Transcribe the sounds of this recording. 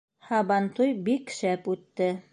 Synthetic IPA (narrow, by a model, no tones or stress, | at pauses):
hɑβɑnt̪ujbikʃæpʉt̪ːɘ